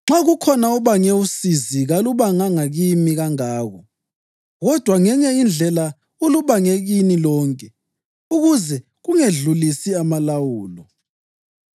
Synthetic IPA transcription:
ŋ͡ǁaɣukʰɔnauβaŋɛusiziɣaluβaŋaŋaɣimiɣaŋaːɣɔ | ɣɔd̥ʱwaŋɛɲɛind͡ɮʱɛla | uluβaŋeɣinilɔːŋkʼɛ | uɣuzɛ | ɣuŋeɮulisiamalawuːlɔ

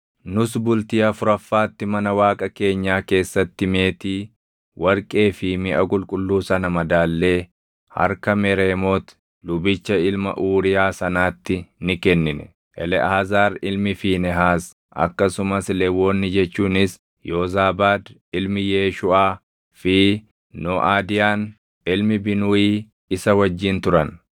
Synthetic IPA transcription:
nʊsbʊlt̪iːɐfʊɾɐfːaːt̪ːɪmɐnɐwaːkʼɐke̞ːɲːaːke̞ːsːɐt̪ːɪme̞ːt̪iː | wʔɐɾkʼe̞ːfɪmɪʔɐkʼʊlkʼʊlːuːsɐnɐmɐd̪aːlːe̞ː | hɐ̰ɾkɐmɛɾe̞ːmoːt̪ | lʊbɪt͡ʃːɐɪlmɐ̰ʔuːɾɪjaːsɐnaːt̪ːɪnɪkɛnːɪnɛ̰ | ʔɛlɛʔaːzaːɾɪlmɪfiːnɛɦaːs | ʔɐ̰kːɐsʊmɐslɛwːoːnːɪd͡ʒɛt͡ʃːuːnɪs | joːzaːbaːd̪ɪlmɪjeːʃʊaː | fɪ | noʔaːd̪ɪjaːn | ɪlmɪbɪnʊiː | ɪsɐwɐd͡ʒːɪnt̪ʊɾɐn

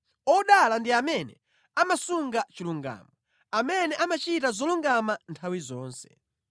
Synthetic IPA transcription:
ɔɗalandiamɛnɛ̰ | amasuŋɡat͡ʃiluŋɡa̰ːmɔ | amɛnɛʔamat͡ʃitazɔluŋɡamantʰawizɔːnsɛ̰

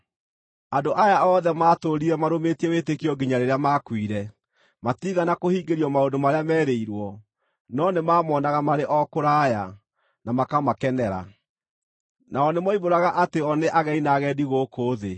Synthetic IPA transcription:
andoʔajaɔðɛmaːtoɾiɾɛmaɾometiɛwetekiɔɡiɲaɾeɾeamaːkwiɾɛ | matiɣanakohiːɡeɾiɔmaodomaɾeamɛːɾeiɾwɔ | nɔnemaːmɔːnaɣamaɾeʔɔkoɾaja | namakamakɛnɛɾa̰ | naɔnemɔiβoɾaɣaʔateɔneʔaɣɛinaɣɛːdiɣokoːðe

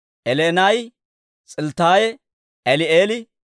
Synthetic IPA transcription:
ʔɛleːnaj | t͡sʼɪlt̪aːjɛ | ɛlɪeːlɪ

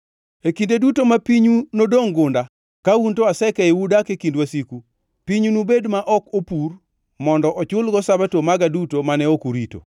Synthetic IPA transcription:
ekindedutomapiɲunodoŋɡʊnda | kauntoasɛkɛewudakekindwasiku | piɲunubedmaʔɔkopur | mɔndɔʔɔt͡ʃʊlɡɔsabatomaɡadutomanɛokuɾito̰

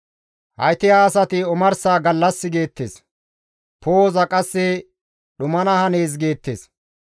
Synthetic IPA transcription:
hɐ̰jt̪ɪjaːsɐt̪ɪɔmɐɾsaːɡɐlːɐsːɪɡe̞ːt̪ːḛːs | poːzɐkʼɐsːɛ | ɗʊmɐnɐhɐne̞ːs̬ɡeːt̪ːḛːs

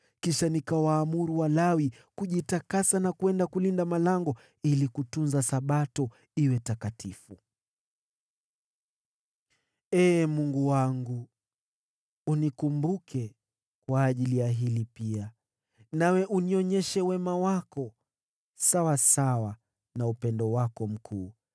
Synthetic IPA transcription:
kiʃanikawaːmuɾuwalawi | kuʄitakasanakuɛndakulindamalaŋɡɔ | ilikutunzasaɓatɔ | iwɛtakatifu | ɛːmuŋɡuwaŋɡu | unikumbukʰɛ | kwaːʄilijaɦilipia | nawɛʔuniɔɲɛʃɛwɛmawakɔ | sawasawa | naupɛndɔwakɔm̩kʰuː

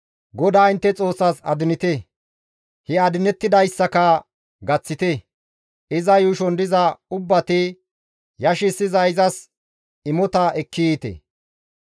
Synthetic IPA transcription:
ɡɔd̪aːɪnt̪ːɛt͡sʼo̞ːsːɐsɐ̰d̪ɪnɪt̪ɛ | hɪaːd̪ɪnɛt̪ːɪd̪ɐjsːɐkɐ | ɡɐt͡sːɪt̪ɛ | ɪzɐjuːʃɔnd̪ɪzɐʊbːɐt̪ɪ | jɐʃɪsːɪzɐɪzɐs | ɪmɔt̪ɐɛkːɪit̪ɛ̰

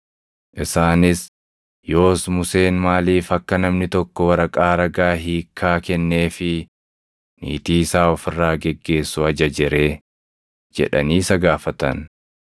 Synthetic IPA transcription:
ʔɪsaːnɪs | jo̞ːsmʊse̞ːnmaːliːfɐkːɐnɐmnɪt̪ɔkːɔwɐɾɐkʼaːɾɐɡaːɦiːkʰːaːkɛnːeːfɪ | nḭːt̪iːsaːɔfɪrːaːɡɛɡːe̞ːsːʊɐd͡ʒɐd͡ʒɪɾe̞ː | d͡ʒɛ̰ᶑɐ̰niːsɐɡaːfɐt̪ɐ̰n

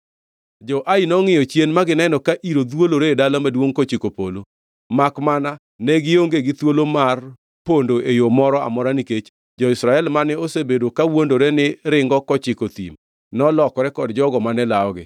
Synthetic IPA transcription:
d͡ʒɔʔainɔŋɪjɔt͡ʃjenmaɡɪnɛnɔkaʔiɾod̪woloɾeedalamadwoŋkɔt͡ʃɪkopolo | makmana | nɛɡɪoŋɡeɡɪt̪wolomar | pondoʔejomɔɾɔa̰mɔɾaniket͡ʃ | d͡ʒɔɪsɾaɛlmanɛosebedokawondoɾɛnɪɾɪŋɡɔkɔt͡ʃɪkot̪ḭm | nɔlɔkɔɾɛkɔdd͡ʒɔɡɔmanɛlaɔɡɪ̰

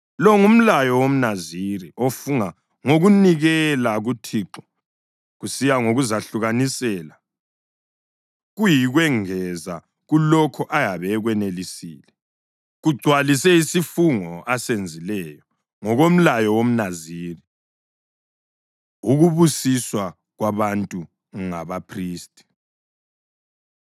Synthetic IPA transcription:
lɔŋum̩lajɔwom̩naziɾiofuŋa | ŋoɣuniɣɛlaɣutʰiːǁɔ̥ | ɣusijaŋoɣuzaɬuɣanisɛla | ɣujiɣwɛŋɛza̰ | ɣulɔkʰɔʔajaβɛɣwɛnelisḭːlɛ | ɣuɡ͡ǀʱwalisɛisifuŋɔasend͡zʱilɛjɔ | ŋɔɣom̩lajɔwom̩naziːri | uɣuβusiswa | ɣwaβantʼu | ŋaβapʰriːstʼi̥

